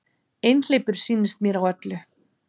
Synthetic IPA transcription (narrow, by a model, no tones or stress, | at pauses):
ejnl̥eːjpʏɾ̥siːnɪst̪̚mjɛːɾawœt̪lʏ